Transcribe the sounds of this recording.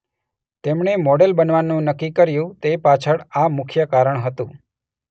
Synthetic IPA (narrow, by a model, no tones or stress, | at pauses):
t̪emɳemɔɽelbənʋanːũnəkːikəɾjũt̪epat͡ʃʰəɽamʊkʰjəkaɾəɳ̃ɦət̪ũ